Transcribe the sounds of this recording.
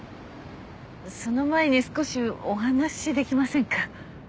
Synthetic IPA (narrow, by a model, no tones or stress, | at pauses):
so̞no̞maeɲ̟isɨ̥ko̞ɕioɦanaɕid̪e̞kʲimasẽ̞ŋka